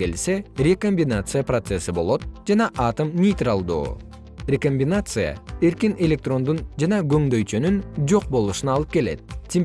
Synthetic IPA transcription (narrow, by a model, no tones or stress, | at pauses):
e̞lse̞rʲeko̞mʲbʲɪnat̪sɨjaprot̪se̞sɨbo̞lˠo̞t̪̚d͡ʒɑnɑʔɑt̪əmnʲejt̪ralˠd̪ṵː | rʲekomʲbʲɪnat̪sɨja̰e̞ɾkine̞lʲe̞k̚t̪ro̞nd̪und͡ʒɑnɑɡø̞ŋd̪ø̞jt͡ʃønynd͡ʒo̞q̚bo̞lˠuʃɯnɑlˠɯp̚ke̞let̪̚tʲʰem